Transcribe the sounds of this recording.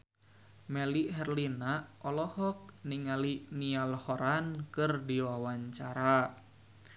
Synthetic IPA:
mɛliɦɛrlinaʔɔlɔhɔk̚niŋalinialhɔɾankɨrdiwawaɲt͡ʃaɾa

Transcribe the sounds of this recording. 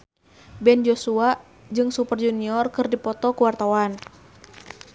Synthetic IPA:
bɛnd͡ʒosua | d͡ʒɨŋsupərd͡ʒuniɔrkɨrdipɔt̪ɔkuwart̪awan

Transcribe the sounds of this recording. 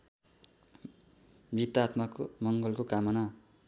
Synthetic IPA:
bit̪at̪makomʌŋɡʌlkokamʌna

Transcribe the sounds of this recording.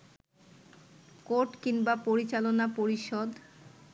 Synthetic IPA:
koɾʈkiŋbapoɾit͡ɕalonapoɾiʃɔd̪

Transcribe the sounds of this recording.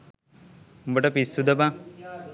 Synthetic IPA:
umbəʈəpisːud̪ɐba

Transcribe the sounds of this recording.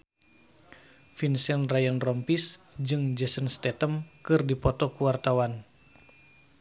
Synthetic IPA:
finsɛnrajənrɔmpis | d͡ʒɨŋd͡ʒɛsənst̪ɛt̪əmkɨrdipɔt̪ɔkuwart̪awan

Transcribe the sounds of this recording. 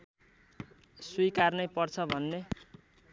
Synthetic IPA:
swiikarnʌjpʌrt͡sʰʌbʱʌnːe

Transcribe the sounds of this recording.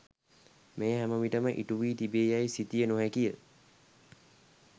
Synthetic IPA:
meːɦæməʋiʈəməʔḭʈuʋiːt̪ibeːjajsit̪ijənuɦækijə

